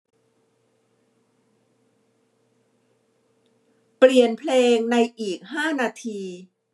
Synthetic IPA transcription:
pli˨˩ənpʰleː˧ŋna˧jʔiː˨˩k̚haː˥˩naː˧t̪ʰiː˧

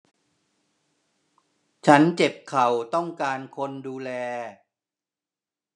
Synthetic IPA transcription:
t͡ɕʰa˦˥nt͡ɕe˨˩p̚kʰa˨˩wt̪ɔ˥˩ŋkaː˧nkʰo˧nduː˧lɛː˧

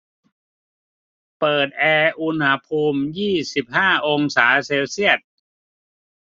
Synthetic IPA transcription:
pɤː˨˩t̪̚ʔɛː˧ʔu˧nha˦˥pʰuː˧mjiː˥˩si˨˩p̚haː˥˩ʔo˧ŋsaː˩˦seː˧wsi˥˩ət̪̚

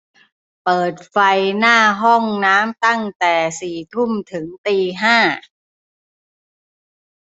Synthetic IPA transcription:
pɤː˨˩t̪̚fa˧jnaː˥˩ɦɔ˥˩ŋnaː˦˥mt̪a˥˩ŋt̪ɛː˨˩siː˨˩t̪ʰu˥˩mt̪ʰɯ˩˦ŋt̪iː˧ɦaː˥˩

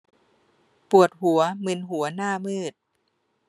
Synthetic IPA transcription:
pu˨˩ət̪̚hu˩˦ɐmɯ˧nɦu˨˩˦ɐnaː˥˩mɯː˥˩t̪̚

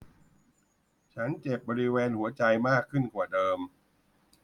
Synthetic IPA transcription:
t͡ɕʰa˦˥nt͡ɕe˨˩p̚bɔː˧ɾi˦˥weː˧nhu˩˦ɐt͡ɕa˧jmaː˥˩kʰːɯ˥˩nkwaː˨˩dɤː˧m

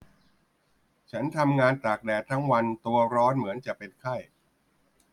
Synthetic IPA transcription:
t͡ɕʰa˦˥nt̪ʰa˧mŋaː˧nt̪aː˨˩k̚dɛː˨˩t̪ʰːa˦˥ŋwa˧nt̪u˧ɐɾɔː˦˥nmɯ˩˦ənt͡ɕa˨˩ʔpe˧nkʰa˥˩j

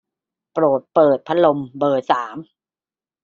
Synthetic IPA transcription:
pɾoː˨˩t̪̚pɤː˨˩t̪̚pʰa˦˥lo˧mbɤː˨˩t̪̚saː˩˦m

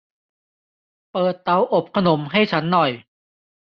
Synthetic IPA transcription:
pɤː˨˩t̪̚ːa˧wʔo˨˩p̚kʰa˧no˩˦mɦa˥˩jt͡ɕʰa˦˥nːɔ˨˩j

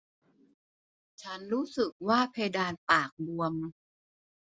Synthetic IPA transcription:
t͡ɕʰa˦˥nɾuː˦˥sɯ˨˩k̚waː˥˩pʰeː˧jdaː˧npaː˨˩k̚bu˧əm

